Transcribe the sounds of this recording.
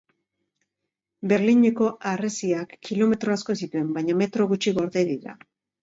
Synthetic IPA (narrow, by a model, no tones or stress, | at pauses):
be̞ɾliɲe̞ko̞ʔaresiakːilo̞me̞t̪ɾo̞asko̞es̬it̪ue̞mbajɲame̞t̪ɾo̞ɣut͡ʃiɣo̞ɾðe̞jðiɾa̰